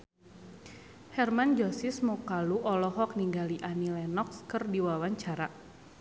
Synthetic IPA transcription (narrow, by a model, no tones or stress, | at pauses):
hɛrmand͡ʒɔsismɔkaluʔɔlɔɦɔk̚niŋɡaliʔanilɛnɔkskɨrdiwawaɲt͡ʃaɾa